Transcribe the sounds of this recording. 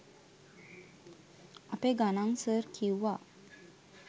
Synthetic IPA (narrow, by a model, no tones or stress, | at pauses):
apeɡanaŋsəɾkĩwʋa